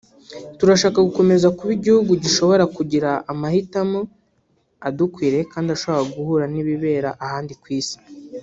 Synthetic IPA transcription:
tuɾaʃaːkaɡuko̞me̞zakuβiɟihuɡuɟiʃo̞βo̞ɾakuɟiɾaʔːmahitamo | adukwiːɾe̞kaːndiaʃo̞βakaɡuhuɾaniβiβe̞ːɾaʔahaːndikwiːsi̥

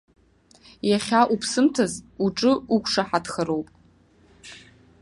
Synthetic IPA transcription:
jaχʲaʔupʰsɨmtʰazuʈ͡ʂʼɨukʷʰʂaħadχəɾowpʼ

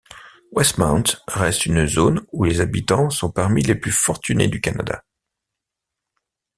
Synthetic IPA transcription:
wɛst̪mãwnt̪ʁɛst̪ynzonulezabit̪ɑ̃sɔ̃paʁmileplyfɔʁt̪ynḛd̪ykana̰d̪a̰

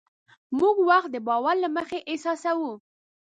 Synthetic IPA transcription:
muɡwaxt̪̚d̪əbɑwaɾlaməxeʔɪsɑsawu

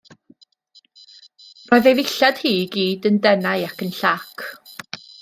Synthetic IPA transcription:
rɔɨðejvɪɬad̥hiːɡiːdəndɛnaɨakənɬakʰ

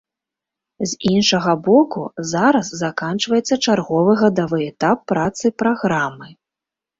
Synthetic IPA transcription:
zʲinʂɐɣɐbɔkuzaɾɐsːakant͡ʂvɐjɛt̪sːɐt͡ʂarɣɔvɨɣɐd̪avɨjɛt̪apːɾat̪sɨpɾaɣɾamɨ

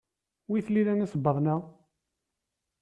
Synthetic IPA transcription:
wiθliɾænisəbəðˤnæ

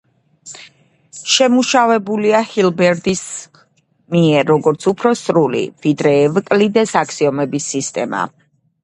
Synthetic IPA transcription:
ʃɛmuʃavɛbuliahilbɛɾd̪is | miɛɾːɔɡɔɾt̪sʰupʰɾɔsɾulḭvid̪ɾɛːvkʼlid̪ɛsakʰsiɔmɛbisːist̪ʼɛma̰

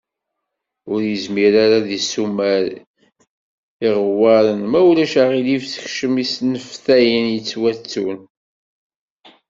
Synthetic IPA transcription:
ʊɾjəzmiɾaɾaðisumæɾ | iʁwæɾənmæwlæʃaʁilifθə̥çʃəmisnəfθæjənjət͡sːwæt͡sːun

